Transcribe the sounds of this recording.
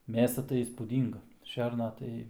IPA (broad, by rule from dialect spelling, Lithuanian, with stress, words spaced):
ˈmʲeːsɐ tɐɪ iːspuːˈdʲiːŋɡɐ ˈʃʲɛrnɐ tɐɪ